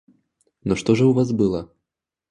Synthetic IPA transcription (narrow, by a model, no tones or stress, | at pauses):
nɔʂt̪ɔʐɐwvasbɨlˠɐ